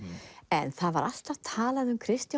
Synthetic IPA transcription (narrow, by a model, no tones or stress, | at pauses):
ɛnθaðvaɾal̥t̪avt̪ʰaːlaðʏmkʰɾɪst̪ja